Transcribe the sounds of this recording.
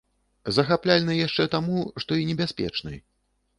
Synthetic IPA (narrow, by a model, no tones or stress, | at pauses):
zɐxaplʲalʲnɨjaʂt͡ʂɛt̪amuʂt̪ɔinʲɛbʲasʲpʲɛ̰t͡ʂnɨ̰j